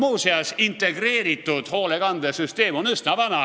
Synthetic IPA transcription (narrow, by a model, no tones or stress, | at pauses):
muːseɑsint̪ːeɡreːɾit̪ːud̪̥hoːleɡ̥ɑnd̪esyst̪eːmonyst̪næʋɑnɑ